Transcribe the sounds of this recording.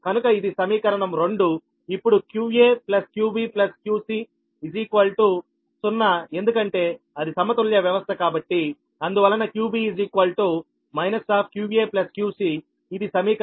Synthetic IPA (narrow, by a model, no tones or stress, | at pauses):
kɐnukɐid̪isɐmiːkɐɾɐɳɐmɾo̞ɳɖu | ipːuɽukjuːeːplɐskjuːbiːplɐskjuːsi | id͡ʒiːkʋɐlʈu | sunːɐe̞nd̪ukɐɳʈe̞ː | ɐd̪isɐmɐt̪uljɐʋjɐʋɐst̪ʰɐkaːbɐʈːi | ɐnd̪uʋɐlːɐnɐkjuːbiːid͡ʒiːkʋɐlʈuː | mɐjnɐsːaːpʰkjuːbieːplɐskjuːsiː | d̪isɐmiːk